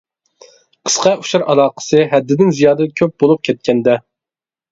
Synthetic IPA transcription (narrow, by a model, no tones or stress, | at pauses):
qʰə̥sqɑu̥ʃɑɾɑlˠɑːqʰə̥sɨɦɛd̪ːɪd̪ɪnzijɑːd̪ɨkʲʰøp̚bolˠup̚kʲʰɛt̪̚kʲʰɛnd̪ɛ